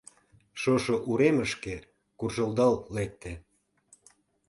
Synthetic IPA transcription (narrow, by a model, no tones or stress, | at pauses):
ʃoʃoʔuɾeməʃke | kurʒəld̪ɑlːek̚t̪e